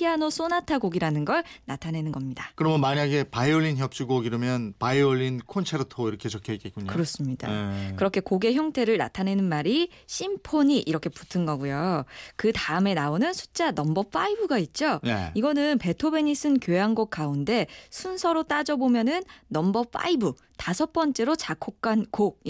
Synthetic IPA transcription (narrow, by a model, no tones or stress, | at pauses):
ianos͈onatʰaɡoɡiɾanɯnɡʌɭnatʰane̞nɯnɡʌmɲidakɯɾʌmomaɲaɡe̞paioʎːinçjʌp̚t͡ɕ͈uɡoiɾʌmjʌnpaioʎːinkʰont͡ɕʰeɾotʰoiɾʌkʰet͡ɕokʰʌik͈et̚k͈uɲkɯɾʌs͈ɯmɲid̥a̰kɯɾʌkʰe̞koɡe̞çjʌŋtʰe̞ɾɯɭna̰tʰane̞nɯnmaɾi | ɕʰimpʰoɲiʔiɾʌkʰe̞pu̥tʰɯnɡʌɡujokɯtaɯme̞naonɯnsʰu̥t͡ɕ͈anʌmbʌp͈aibuɡait̚t͡ɕ͈oneiɡʌnɯnpe̞tʰobe̞ɲisʰɯnkjoaŋɡok̚k͈aunde̞sʰunsʰʌɾot͈ad͡ʑʌbomjʌnɯnːʌmbʌp͈a̰ibu | tasʰʌp͈ʌnt͡ɕ͈e̞ɾot͡ɕakʰok̚k͈anko